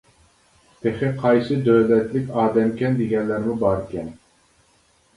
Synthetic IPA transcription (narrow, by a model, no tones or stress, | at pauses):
t̪ʰeχɪqʰɑjsɨd̪øwlɛt̪lɪkʲɑːd̪ɛmkʲɛnd̪eɡʲɛnlːæɾmubɑɾkʲʰɛn